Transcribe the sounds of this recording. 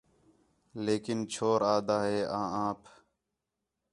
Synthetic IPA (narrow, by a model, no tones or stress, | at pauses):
leːkɪnt͡ʃʰoːɾaːd̪aːɦeːʔãːãːpʰ